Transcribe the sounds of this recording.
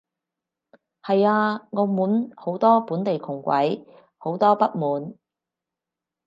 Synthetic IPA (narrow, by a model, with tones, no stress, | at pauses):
hɐ˨jaː˧ŋɔː˨˧muː˨˥nho˨˥wt̪ɔː˥puː˨˥nt̪e˨jkʰʊ˨˩ŋkʷɐ̰˨˥j | ho˨˥wt̪ɔː˥pɐ˥t̚muː˨˥n